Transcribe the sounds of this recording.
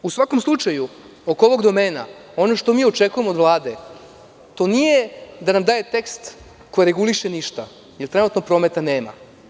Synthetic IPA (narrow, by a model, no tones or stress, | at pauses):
usʋako̞mslˠut͡ʃaju | oko̞ʋo̞ɡd̪o̞meːna̰o̞no̞ʃt̪o̞miːot͡ʃekuje̞mod̪ʋlˠaːd̪e̞ | t̪o̞nijed̪anamd̪aːje̞t̪e̞kst̪ | ko̞jiɾeɡuliʃeniʃt̪a | jelt̪ɾenut̪nopɾo̞ːmet̪aneːma̰